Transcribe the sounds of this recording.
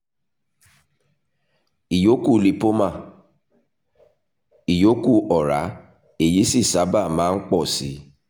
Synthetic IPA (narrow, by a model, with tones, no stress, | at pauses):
i˨jo˦ku˦˨li˨po˦mã˦˨ | i˨jo˨˦ku˦˨ɔ˨ɾa˨˦ | e˦˨ji˨˦si˦˨sa˨˦ba˦˨mãː˦n̩˦k͡pɔ˦˨si˨˦